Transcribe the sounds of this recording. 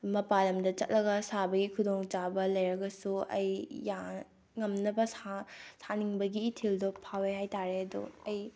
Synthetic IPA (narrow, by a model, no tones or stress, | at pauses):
mɐpalɐmdɐt͡ʃɐ̰t̚lɐɡɐsabɐɡikʰudoŋt͡ʃabɐlɐjɾɐɡɐsuɐjja | ŋɐmnɐbɐsasaniŋbɐɡiːtʰildopʰawehajtaɾeɐdṵɐj